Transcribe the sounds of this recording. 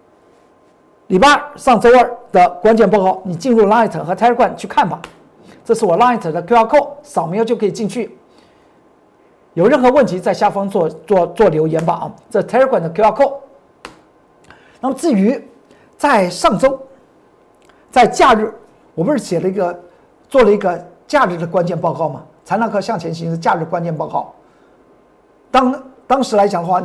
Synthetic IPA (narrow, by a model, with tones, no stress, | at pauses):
li˨˩pa˥ʂɑ˥˩ŋt͡so˥ʊə˞˥˩d̪̥ə˨kwa˥nt͡ɕjɛ˨˩npwɔ˥˧xɑ˥˩ʊni˨˩t͡ɕi˥˧nɻu˥˩la˥i˥˩t̪ʰə˧˥ŋxɤ˧˥a˥ə˞˥kʰwa˥˩nt͡ɕʰy˥˧kʰa˥˩nbɐ˩ | ʈ͡ʂɤ˥˧ʂɻ̩˥˩wɔ˨˩la˥˩t̪ʰə˧˥d̪ə˧kʰɑ˥kʰo˥˩ʊʂɑ˨˩ʊm˧˥˧t͡ɕjo˥˩ʊkʰɤ˧˥i˨˩t͡ɕi˥˧nt͡ɕʰy˥˩ | jo˨˩ʊɻə˥˩nxɤ˧˥wə˥˩nt̪ʰi˧˥t͡sa˥˧ɪɕja˥˩fɑ˥ŋt͡swɔ˥˧t͡swɔ˥˧t͡swɔ˥˩ljo˧˥ʊjɛ˧˥nbə̰˧˩˧ʈ͡ʂɤ˥˧ʂ̩˥˩t̪ʰɪə˞˥kʰwa˨˩nd̪ə˧kʰja˥kʰo˥˩ʊ | na˥˩mə˧t͡sɹ̩˥˩y˧˥ | t͡sa˥˧ɪʂɑ˥˩ŋʈ͡ʂo˥ŋ | t͡sa˥˧ɪt͡ɕja˥˧ɻɻ̩˥˩ | wɔ˨˩pu˧˥ʂɻ̩˥˩ɕjɛ˨˩ə˦i˧˥ɡə˧ | t͡swɔ˥˩lə˩i˧˥ɡə˧t͡ɕja˥˧ɻ̩˥˩d̪ə˩kwa˥nt͡ɕjɛ˥˧npɑ˥˧ʊkɑ˥˩ʊmɐ˩ | t͡sʰa˧˥na˧˥ŋkʰɤ˥˧ɕjɑ˥˩ŋt͡ɕʰjɛ˧˥nɕ̬ʰi˧˥ʂ̩˥˧t͡ɕja˥˧ɻ̩˥˩ə˩kwa˥nt͡ɕjɛ˥˧npɑ˥˧kɑ˥˩ʊ | t̪ɑ˥ŋt̪ɑ˥ŋʂɻ̩˧˥la˧ɪt͡ɕjɑ˨˩ŋd̪ə˦wa˥˩